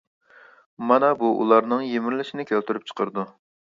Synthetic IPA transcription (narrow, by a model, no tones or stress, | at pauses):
mɑnɑbuʔṵlˠɑɾnɨŋjemɪɾlɪʃinɪkʲʰølt̪yɾyp̚t͡ʃʰə̥qʰəɾd̪u